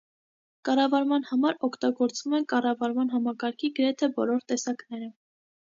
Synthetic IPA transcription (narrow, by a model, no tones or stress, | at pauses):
kɑrɑvɑɾmɑnhɑmɑɾɔkʰt̪ɑɡɔɾt͡svumɛnkɑrɑvɑɾmɑnɦɑmɑkɑɾkʰiɡəɾɛt̪ʰɛbɔlɔɾt̪ɛsɑknɛɾə